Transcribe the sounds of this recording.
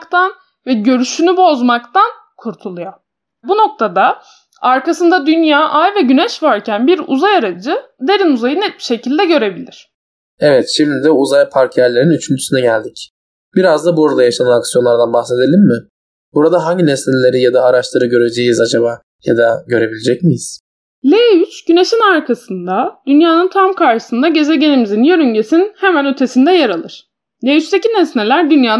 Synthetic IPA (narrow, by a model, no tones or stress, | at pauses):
kt̪ʰan | vɛɟø̞ɾyʃynybo̞zmakt̪an | kʰuɾt̪ʰulˠujo | buno̞k̚t̪ʰad̪a | aɾkasɯnd̪ad̪ynjaːʔajvɛɟynɛʃvaɾcʰænbiɾṵzajaɾad͡ʒɯd̪e̞ɾinuzajɯnɛt̪̚bi̥ʃe̞cʰilʲd̪ɛɟø̞ɾe̞bilʲiɾ̥ | ɛvɛt̪ʃimd̪id̪ɛuzajpʰaɾcʰjæɾlʲe̞ɾinyt͡ʃʰynt͡ʃ̪ʰy̥synɛɟælʲd̪ic | b̥iɾazd̪abuɾad̪ajaʃananaksijo̞nlˠaɾd̪anbaxse̞d̪elʲimːɪ | buɾad̪aɦaɲɟinɛsnelʲe̞ɾijad̪aːɾaʃlʰɯɾɯɟø̞ɾe̞d͡ʒejizad͡ʒabaː | jad̪aɟø̞ɾe̞bilʲed͡ʒɛcmijiz̥ | lʲeyt͡ʃɟyne̞ʃinaɾkʰasɯnd̪ad̪̥ynjaːnɯnt̪ʰamkʰaɾʃɯ̥sɯnd̪aɟe̞zeɟe̞nimizinjøɾyɲɟe̞sinhemænø̞t̪ʰe̞sind̪ɛjaɾalˠɯɾ̥ | lʲeyt͡ʃt̪ecinɛsnelʲæɾd̪ynjaː